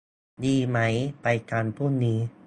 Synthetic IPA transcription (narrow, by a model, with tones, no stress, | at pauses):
diː˧ma˦˥jpa˧jkaː˧npʰuː˥˩nːiː˦˥